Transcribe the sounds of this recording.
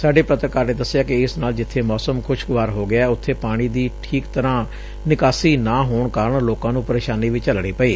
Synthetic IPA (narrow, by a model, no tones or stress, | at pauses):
saːɖeːpɾət̪ɾəkaːɾneːd̪əsːɪjaːkɪɪsnaːld͡ʒɪt̪ʰːeːmɔːsəmkʰʊʃɡʊʋaːɾɦoːɡɪaːɛːʊt̪ʰːeːpaːɽ̃iːd̪iːʈʰiːkt̪əɾãː | nɪkaːsiːnaːɦoːɳkaːɾəɳloːkãːnũːpəɾeːʃaːniːʋiːt͡ʃəlɽ̃iːpəeː